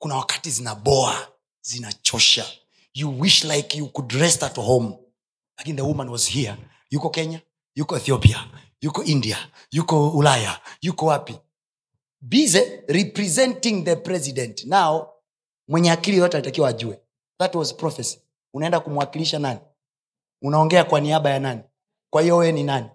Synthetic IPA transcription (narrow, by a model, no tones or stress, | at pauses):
kunawakḁtizinaɓɔa | zinat͡ʃɔʃa | juwiʃlajkjukudɹɛstathom | lakiniðəwumanwɔzhia | jukɔkɛɲa | jukɔɛθiɔpia | jukɔindia | jukɔulaja̰jukɔwapi | bizɛɾipɾɛzɛntiŋðəpɾɛzidɛntnaɔ | mwɛɲɛakilijɔtɛalitakiwaːʄuɛ | ðatwɔzpɾɔfɛsi̥ | unaɛndakumwakiliʃanani | unaɔŋɡɛakwaniaɓajanani | kwahijɔwɛninani